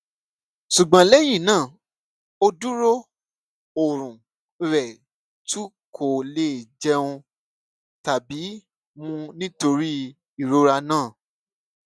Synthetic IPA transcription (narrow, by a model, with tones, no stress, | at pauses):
ʃu˨ɡ͡bã˨lɛ˦jĩ˦˨nãː˦˨ | o˧du˦ɾo˦ | o˨ɾ̃ũ˨ | ɾɛ˨ | tu˦ | kʰo˨le˦˨d͡ʒɛ˦ũ˧ | ta˨bi˨˦ | mũ˧nĩ˦to˧ɾi˦ | i˨ɾo˦ɾa˧nãː˦˨